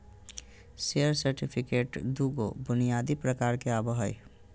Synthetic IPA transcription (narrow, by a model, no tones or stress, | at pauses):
seəɾsəɾʈipʰɪkeːʈd̪uːɡo̰bʊnijaːd̪ipɾəkaːɾkeaːbəɦə̰j